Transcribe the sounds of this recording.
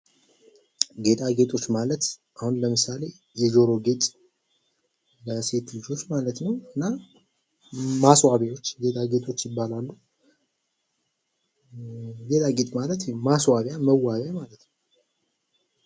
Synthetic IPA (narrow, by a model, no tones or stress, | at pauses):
ɡe̞t̪ʼaɡe̞t̪ʼo̞t͡ʃːmalət̪ʔahunləmɨsale̞ | jɛzo̞ɾo̞ɡe̞t̪ʼ | ləse̞t̪lɨd͡ʒo̞t͡ʃːmalət̪nəwɨnːa | maswaβjawo̞t͡ʃːɡe̞t̪ʼaɡe̞t̪ʼo̞t͡ʃːjɪbːalalːu | ɡe̞t̪ʼaɡe̞t̪ʼmalət̪maswaβjaməwːaβjamalət̪nəw